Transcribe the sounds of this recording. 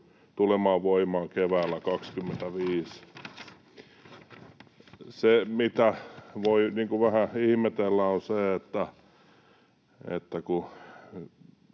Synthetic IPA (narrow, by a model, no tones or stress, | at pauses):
t̪ulemɑːʋʋoimɑːkeʋæːlːækɑkskymːent̪æʋiːs | semit̪æʋoiniːŋkuʋæhæihmet̪elːæoseet̪ːæ | ḛt̪ːæku